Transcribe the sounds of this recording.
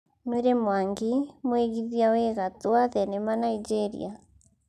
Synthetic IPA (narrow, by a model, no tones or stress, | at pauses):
nweɾemwaŋɡimweɣiðiaweɣatwaðɛnemanaid͡ʒeɾḭa